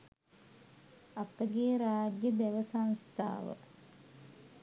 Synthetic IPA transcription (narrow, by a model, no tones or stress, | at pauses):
apəɡeːɾaːd͡ʒjəd̪eʋəsanst̪ʰa̰ːʋə̰